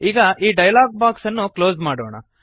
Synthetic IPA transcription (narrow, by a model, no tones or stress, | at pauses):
iːɡɐʔiːɖɐjɐlaːɡ̚baːksɐnːuklo̞ːzmaːɽo̰ːɳɐ̰